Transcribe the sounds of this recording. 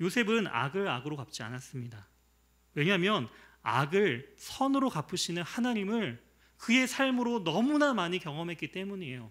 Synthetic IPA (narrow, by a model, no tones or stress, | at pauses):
josʰebɯna̰ɡɯɾa̰ɡɯɾokap̚t͡ɕ͈ia̰nas͈ɯmɲida | we̞ɲamjʌna̰ɡɯɭsʰʌnɯɾokap͈ʰɯɕʰinɯnhanaɲimɯɭ | kɯe̞sʰaɭmɯɾonʌmunamaɲikjʌŋʌmɦe̞t̚k͈it͈e̞muɲie̞jo